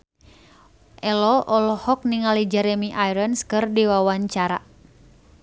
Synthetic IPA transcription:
ʔɛlɔʔɔlɔhɔk̚niŋalid͡ʒɛɾɛmiʔajɾənskɨrdiwawaɲt͡ʃaɾa̰

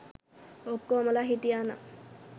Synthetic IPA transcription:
okːoməlaɦit̪iana̰

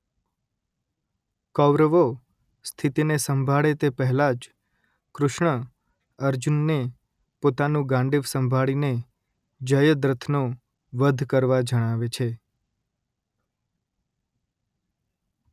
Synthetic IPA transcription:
kɔʋɾəʋo | st̪ʰit̪inesəmbʱaɭet̪epəɦɛlad͡ʒ | kɾʊʃɳə | əɾd͡ʒunːe | pot̪anũɡãɳɖiʋsəmbʱaɭine | d͡ʒəjəd̪ɾət̪ʰno | ʋəd̪ʱkəɾʋad͡ʒəɽ̃aʋet͡ʃʰe

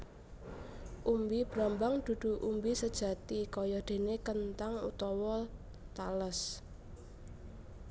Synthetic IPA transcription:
ʔumbib̥ɾambaŋd̪̥ṳd̪̥ṳʔumbisəd̥ʒ̥ä̤t̪ikɔjɔd̪̥e̤nekənt̪aŋṵt̪ɔwɔ | t̪aləs

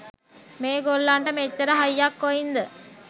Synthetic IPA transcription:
meːɡolːaːɳʈɐmet͡ʃːɐɾɐɦɐjːaːkːoːjind̪ə

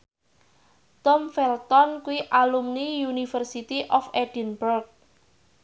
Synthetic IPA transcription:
t̪ɔmfɛlt̪ɔnkuiʔalumnijunifərsit̪iʔɔfeɖ̥inburk̚

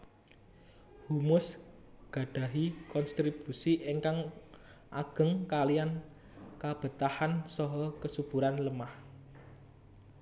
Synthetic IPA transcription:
humʊs | ɡ̥a̤ɖ̥a̤ɦikɔnst̪ɾib̥usiʔiŋkaŋ | ʔaɡ̥ə̤ŋkalijan | kab̥ə̤t̪ahansɔɦɔkəsub̥uɾanləmah

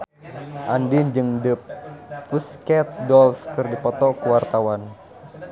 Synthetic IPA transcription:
ʔandind͡ʒɨŋdəp̚fuskɛt̪̚dɔlskɨrdipɔt̪ɔkuwart̪awan

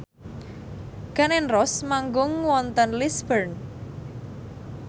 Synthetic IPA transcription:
ɡ̥a̤nɛnrɔsmaŋɡʊŋwɔnt̪ənlisbərn

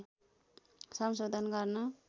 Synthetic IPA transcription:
sʌmsod̪ʱʌnɡʌrnʌ

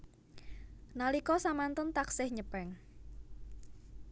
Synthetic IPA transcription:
nalikɔsamant̪ɔnt̪aksɪhɲəpɛŋ

